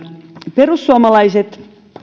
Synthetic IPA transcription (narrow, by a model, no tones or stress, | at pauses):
perusːuɑmɑlɑiset̪